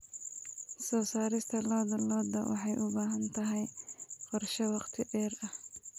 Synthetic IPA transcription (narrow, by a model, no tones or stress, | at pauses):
sɔːsaːɾɪst̪ʰɐlɔːd̪ɐlɔːd̪ɐwʔɑ̰ħɑjʔʊbaːɦɐnt̪ʰɐɦɛjqɔrʃɛwɑqt̪ʰɪʕɛːrɐh